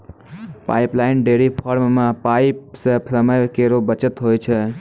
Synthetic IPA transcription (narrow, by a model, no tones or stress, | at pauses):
pa̰ɪplaɪnɖeɾipʰɔɾmːãpaɪipsepsəməjkeɾobət͡ʃət̪ɦojt͡ʃʰe